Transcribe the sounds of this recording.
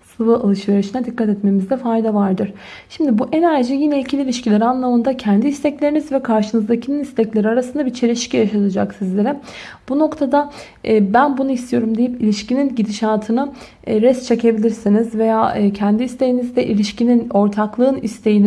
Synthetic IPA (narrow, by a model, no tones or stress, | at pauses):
sɯvɯalˠɯʃve̞ɾiʃinɛd̪ikʰːat̪ɛt̪me̞mizd̪ɛfajd̪avaɾd̪ɯɾ̥ | ʃimd̪ibuʔɛnæɾd͡ʒijinɛilʲcʰilʲilʲiʃcilʲɛɾanlˠamɯnd̪acʰænd̪iist̪ʰɛclʲe̞ɾinizvɛkʰaɾʃɯnɯzd̪acʰinɯnist̪ʰɛclʲe̞ɾiaɾasɯnd̪abit͡ʃʰe̞ɾiʃcijaʃat̪ʰɯd͡ʒa̰ksizlʲe̞ɾɛ | b̥uno̞kt̪ʰad̪aː | bænbunuist̪ʰijo̞ɾumd̪ejipilʲiʃcininɟid̪iʃaːt̪ʰɯnɯ | ɾɛst̪t͡ʃʰe̞cʰe̞bilʲiɾsinizve̞jaːcʰænd̪iist̪ʰe̞jinizd̪ɛʔilʲiʃcinino̞ɾt̪ʰaklˠɯːnḭst̪ʰe̞jin